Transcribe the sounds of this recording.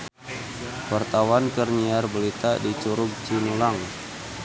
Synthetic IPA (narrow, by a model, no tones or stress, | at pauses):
wart̪awankərniarbəlit̪adit͡ʃuɾʊɡ̚t͡ʃinulaŋ